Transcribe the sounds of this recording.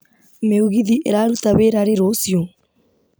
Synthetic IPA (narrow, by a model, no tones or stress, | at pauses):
meuɣiðiʔeɾaɾutaβeɾaɾeɾosjo